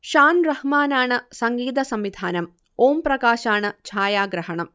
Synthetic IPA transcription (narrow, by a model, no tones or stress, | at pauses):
ʂaːnrɐhmaːnaːɳɨsɐŋɡiːd̪ɐsɐmʋid̪ʱaːnɐm | oːmprɐkaːɕaːɳɨt͡ɕʰaːjaːɡɾɐɦɐɳɐm